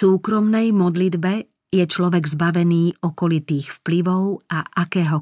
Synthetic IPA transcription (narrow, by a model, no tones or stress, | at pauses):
suːkɾɔmnɛjmɔd̪lid̪bɛ | jɛt͡ʃlɔʋɛɡzbaʋɛniːɔkɔlit̪iːxfpliʋɔʊaʔakɛːɦɔ